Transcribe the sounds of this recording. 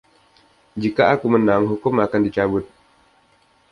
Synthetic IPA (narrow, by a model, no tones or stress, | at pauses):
d͡ʒikaakumənaŋɦukʊmakandit͡ʃabʊt̪̚